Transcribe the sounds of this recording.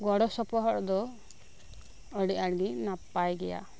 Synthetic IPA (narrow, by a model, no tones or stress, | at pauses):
ɡɔɽɔsɔpɔɦɔɾd̪ɔ | ɔɽiaɽɡinapajɡɛja̰